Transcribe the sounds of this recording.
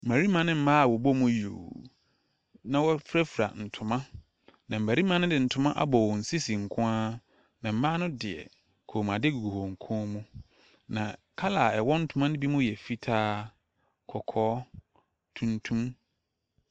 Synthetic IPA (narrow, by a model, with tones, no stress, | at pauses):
m̩˨æ˨ɾi˦mã˨nɪ̃˦m̩˦mãː˦a˨wɔ˨bɔ˦mũ˦jo̰˨ | nã˨wɔ˦fɾa˦fɾa̰˨n̩˨tʰʊ̃˨mã˦ | nã˨m̩˨æ˨ɾi˦mã˦nʊ̃˦dɪ̃˨n̩˨tʰʊ̃˨mã˦ʔa̰˦bɔ˨wɔ˨n̩˨si˦si˨ŋ̩˨kʰʊ̃˦aː˦ | nã˨m̩˦mãː˦nʊ̃˦dɪ˨ɛ̰˨ | kʰo˨mã˨dɪ˦ɡu˨ɡu˨ho˨ŋ̩˨kʰɔ̃˦mũ˦ | nã˨kʰa˦la˨ɛ˨wɔ˦n̩˦tʰʊ˦mã˦nʊ̃˦bi˦mũ˦jɛ˨fi˦tʰaː˦ | kʰɔ˨kʰɔː˦ | tʰũ˨ntʰũ˦m